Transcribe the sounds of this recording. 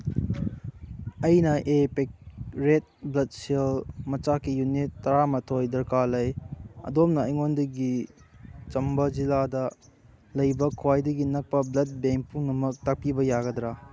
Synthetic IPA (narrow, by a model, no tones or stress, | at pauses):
ɐjnɐʔepek̚ɾet̚blɐt̚selmɐt͡ʃakijunitːɐɾamɐtʰojdɐɾkalɐjɐ̰domnɐɐjŋondɐɡi | t͡ʃɐmbɐd͡ʒiladɐ | lɐjbɐkʰwajdɐɡinɐk̚pɐblɐt̚beŋk̚pʰuŋnɐmɐk̚tak̚pibɐjaɡɐd̪ɾa